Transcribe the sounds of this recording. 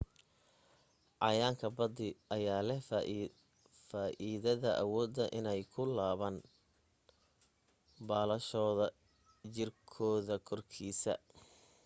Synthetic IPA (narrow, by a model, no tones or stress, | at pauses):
ʔɑjaːŋkʰɐbɐd̪ɪʔɐjaːlɛ | faːʔiːðɐðɐʔɐwɔːd̪ːɐʔɪnɛjkʰʊlaːβaːn | baːlɐʃɔːðɐ | t͡ʃɪrkʰɔːðɐkʰɔrkʰiːsɐ̰